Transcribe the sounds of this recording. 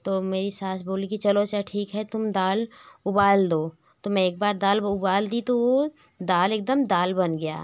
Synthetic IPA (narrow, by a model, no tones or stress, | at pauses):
t̪oːmeːɾisaːsʰboːlikit͡ʃɐlot͡ʃaʈʰiːkɦɛt̪ʊmd̪aːlʊbaːld̪oː | t̪omɛ̃eːk̚baːɾd̪aːlʊbaːld̪it̪oʋo | d̪aːleːk̚d̪əmd̪aːlbɐnɡɐja̰ː